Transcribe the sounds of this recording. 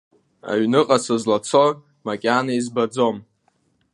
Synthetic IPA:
a̰ɥnɨqʼasazlat͡sʰo | makʲʼanaizbad͡zom

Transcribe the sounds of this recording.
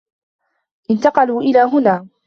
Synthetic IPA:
ʔɪnt̪ɑqɑluːʔɪlaːɦʊnaː

